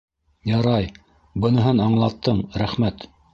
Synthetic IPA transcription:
jɑɾɑj | bɤ̆nɤ̆ɦɤnɑɴlˠɑt̪ːɤɴɾæχmæt̪

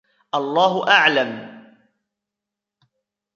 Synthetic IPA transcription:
ʔɑlˤːɑːɦʊʔaʕlam

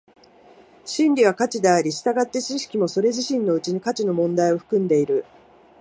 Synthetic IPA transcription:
ɕĩnɾʲiβakat͡ɕid̪e̞aɾʲiɕi̥t̪aɡat̪ːe̞t͡ɕiɕi̥kʲimo̞so̞ɾe̞ʑiɕĩnːo̞ɯ̟t͡ɕiɲ̟ikat͡ɕino̞mõ̞nd̪aio̞ɸɯ̟̥kɯ̟̃nd̪e̞iɾɯ̟

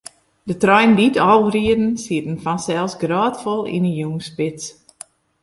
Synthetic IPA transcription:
dətrɔjnditɔwriədn̩siətn̩fɔnsɛlˠsɡraːtfolˠḭnəjuːnspɪs

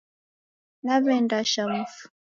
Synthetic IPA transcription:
naβɛndaʃamufu̥

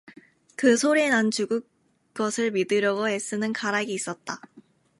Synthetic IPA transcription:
kɯsʰoɾinant͡ɕuɡu | ɡ͈ʌsʰɯɭmidɯɾjʌɡoes͈ɯnɯnkaɾaɡiːs͈ʌt̚t͈a

